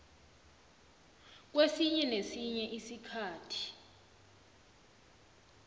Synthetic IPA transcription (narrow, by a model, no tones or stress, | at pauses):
k̬wesiɲɛnesiɲɛʔisikʰaːtʰi̥